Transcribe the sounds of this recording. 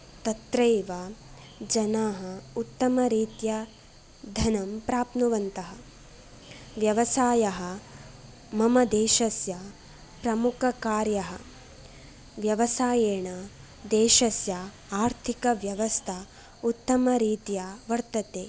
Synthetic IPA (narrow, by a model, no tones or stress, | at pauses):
t̪ɐt̪ɾɐjʋa | d͡ʒɐnaːɦɐut̪ːɐmɐɾiːt̪jɐ | d̪ʱɐnɐmpɾaːpnuʋɐnt̪ɐɦɐ | ʋjɐʋɐsaːjɐɦɐ | mɐmɐd̪eːʃɐsja | pɾɐmukʰɐkaːɾjɐɦɐ̆ | ʋjɐʋɐsaːjeːɳɐ | d̪eːʃɐsja | aːɾt̪ʰikɐʋjɐʋɐst̪ʰɐ | ut̪ːɐmɐɾiːt̪jaʋɐɾt̪ɐt̪eː